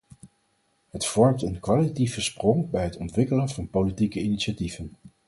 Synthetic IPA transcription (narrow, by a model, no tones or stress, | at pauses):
ɦətfɔɹmtənkʋalitativəsprɔŋbɛjɦətɔntʋɪkələnvɑnpolitikəiniʃativ̥ən